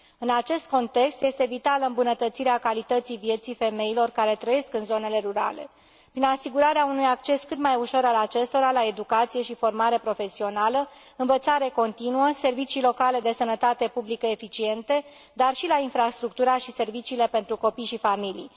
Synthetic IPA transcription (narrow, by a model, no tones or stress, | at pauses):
ɨnat͡ʃe̞st̪̚ko̞nt̪e̞kst̪je̞st̪e̞vit̪aləɨmbunət̪ət̪siɾeakalit̪ət̪sivje̞t̪sife̞me̞ilo̞rkaɾe̞t̪ɾəje̞skɨnzo̞ne̞le̞ɾuɾa̰le̞̰ | pɾinasiɡuɾaɾeaunujak̚t͡ʃe̞skɨt̪majuʃo̞ɾalat͡ʃe̞st̪o̞ɾalaed̪ukat̪sije̞ʃifo̞rmaɾe̞pɾo̞fe̞sio̞nalə | ɨɱvət̪saɾe̞ko̞nt̪inuəse̞rvit͡ʃiːlo̞kale̞d̪e̞sənət̪at̪e̞publikəefit͡ʃie̞nt̪e̞ | d̪arʃilainfɾast̪ɾuk̚t̪uɾaʃise̞rvit͡ʃiːle̞pe̞nt̪ɾuko̞pijʃifamilḭj